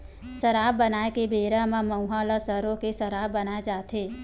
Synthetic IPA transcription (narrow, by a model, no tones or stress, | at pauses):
səɾabbənaːekebeːɾəmãmə̃wɦalasəɾõkesəɾabbənaːed͡ʒaːt̪ʰe